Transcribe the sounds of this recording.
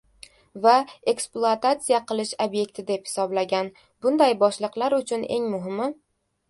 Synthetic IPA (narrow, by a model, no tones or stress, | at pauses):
vae̞ksplˠʊat̪at̪sijaqʰɨlˠɪʃobje̞k̚ʲt̪ʰɪd̪e̞phɪ̥sɒblaɡʲan | bʊnd̪ajbɒʃlˠɨqlˠaɾʊt͡ʃʰʊne̞̰ŋmʊɦɪmɪ